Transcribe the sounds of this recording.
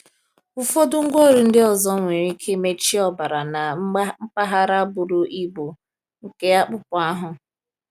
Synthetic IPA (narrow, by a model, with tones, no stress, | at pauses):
ʊ˨fo˦dʊ˦ŋ̩˦ɡʷo˦˨ɾi˨n̩˦dɪ˦ɔ˨zɔ˦ŋʷe˨ɾi˦kʰe˦me˦t͡ʃi˦ɔ˨ba˨ɾa˨na˨m̩˦k͡pa˦ɦa˦ɾa˦bʊ˨ɾʊ˨ʔi˦bo˨ | ŋ̩˨ke˦a˦k͡pʊ˦pʊ˨a˦ɦʊ˨